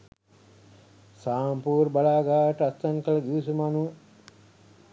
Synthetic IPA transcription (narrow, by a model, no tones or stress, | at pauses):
saːmpuːɾbalaːɡaːʋəʈəast̪ɐŋkəlɐɡiʋusumanuə